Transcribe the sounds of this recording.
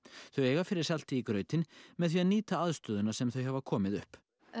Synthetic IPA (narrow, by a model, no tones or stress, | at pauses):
θœɥeːjɣafɪɾɪɾ̥sal̥t̪ɪikɾœːɥt̪ɪnmɛðθviaðniːt̪aaðst̪œːðʏnasɛmθœwɦɛvakʰɔːmɪðʏ̰hp